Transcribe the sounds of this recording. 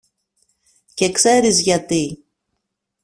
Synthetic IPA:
ce̞kse̞ɾizʝɐt̪i

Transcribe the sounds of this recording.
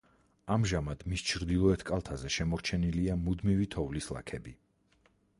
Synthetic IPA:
amʒamad̪̥mist͡ʃʰɾd̪ilˠɔɛt̪ʰkʼalˠt̪ʰazɛʃɛmɔɾt͡ʃʰɛniliamud̪mivit̪ʰɔvlislˠa̰kʰɛbi

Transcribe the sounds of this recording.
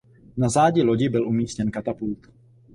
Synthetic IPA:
nazaːɟɪloɟɪbɪlʔumiːscɛnkat̪apult̪

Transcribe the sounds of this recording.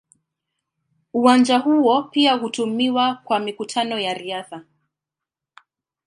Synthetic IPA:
uwand͡ʒahuɔpiahutumiwakwamikutʰanɔjaɾiaθa

